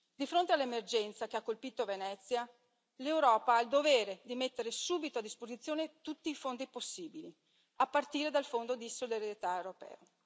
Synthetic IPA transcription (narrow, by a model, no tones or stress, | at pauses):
d̪ifɾont̪ealːemerd͡ʒɛnt̪sakeakːolpiːt̪ovenɛt̪sːja | lewɾɔːpaaild̪oveːɾed̪imet̪ːeɾesuːbit̪oad̪ːispozit̪sːjoːnet̪ut̪ːiːfond̪iposːiːbili | apːart̪iːɾed̪alfond̪od̪isodeɾjet̪aewɾopɛ̰ːo